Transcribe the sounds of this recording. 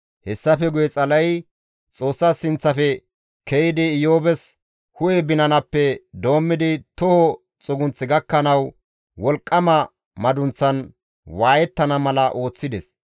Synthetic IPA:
hɛsːɐfɛɡʊjɛt͡sʼɐlɐj | t͡sʼo̞ːsːasɪnt͡sːɐfɛ | kɛjɪd̪ɪːjoːbɛs | hʊjɛbɪnɐnɐpːɛd̪o̞ːmːɪd̪ɪt̪ɔhɔ | t͡sʼʊɡʊnt͡sːɪɡɐkːɐnɐw | wɔlkʼːɐmɐ | mɐd̪ʊnt͡sːɐn | waːjɛt̪ːɐnɐmɐlɐʔo̞ːt͡sːɪd̪ɛs

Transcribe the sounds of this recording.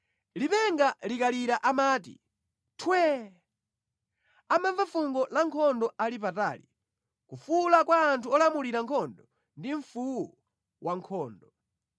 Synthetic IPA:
lipɛŋɡalikaliɾaʔamaːtḭ | tʰwɛ | amavafuŋɡɔlaŋkʰɔndɔalip̬ata̰ːli | kufulakwaːntʰuɔlamuliɾaŋkʰɔndɔ | ndiɱ̩fuwɔ | wʔaŋkʰɔːndɔ

